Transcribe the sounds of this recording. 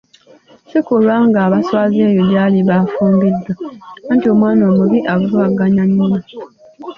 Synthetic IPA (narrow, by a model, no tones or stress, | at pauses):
sikulwaŋɡaːβaswazejodjaːliβafuːmbidːantiomwaːnoːmuβiʔaβuɾuaɡaɲaɲːuma